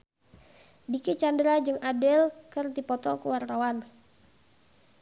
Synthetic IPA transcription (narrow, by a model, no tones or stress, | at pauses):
dikit͡ʃandɾad͡ʒɨŋʔadɛlkərt̪ipɔt̪ɔkəwart̪awan